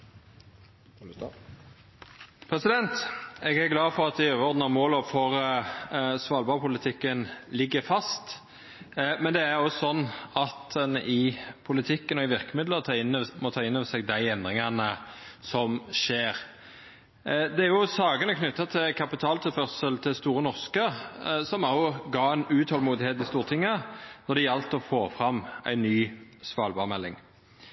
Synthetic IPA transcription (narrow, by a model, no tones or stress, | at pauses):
pʰɾɛsɪd̪ɛnt̪ɛɡæɾɡlɑːfɔɾɑt̪̚d̪ɪøːʋəɔʁd̪nɑmoːlɔfɔɾ | sʋɑːlbɑːɾpʰʊlɪt̪ʰɪkːənlɪɡːəfɑst̪ | mɛnd̪ɛæɾɔsɔnːɑt̪ɛnʔɪpʰʊlɪt̪ʰɪkːənɔɪʋɪʁkəmɪd̪ləʁt̪ʰɑːɪnːmɔt̪ʰɑːɪnːøːʋəsɛɡd̪æɪɛnd̪ʁɪŋɑnəsɔmʃeːɾ | d̪ɛæɾjʊsɑːɡənəkʰnʏt̪ːɑt̪ʰɪlkʰɑpɪt̪ʰɑːlt̪ʰɪfœʁsəlt̪ʰɪlst̪uːɾənɔʁskəsɔmɑɡɑːɛɪnʉːt̪hɔlmuːd̪ɪheːt̪ɪst̪uːʁət̪ʰɪŋːənɔd̪ɛjɛlt̪əɔfoːfɾɑmæ̰ɪnːyːsʋɑːlbɑːʁmɛlːɪ̰ŋ